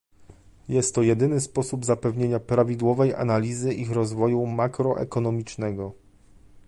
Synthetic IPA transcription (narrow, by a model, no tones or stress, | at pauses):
jɛst̪ːɔjɛd̪ɘnɘspɔsubzapɛvɲeɲapɾavʲid̪wɔvɛja̰nalʲizɘʔixɾɔzvɔjumakɾɔʔɛ̰kɔnɔmʲit͡ʂnɛɡɔ